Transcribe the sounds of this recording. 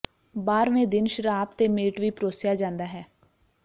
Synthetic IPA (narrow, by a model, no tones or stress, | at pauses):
baːɾʋẽːd̪ɪnʃəɾaːpt̪eːmeːʈʋiːpɾoːsɪjaːd͡ʒãːnd̪aːɦɛː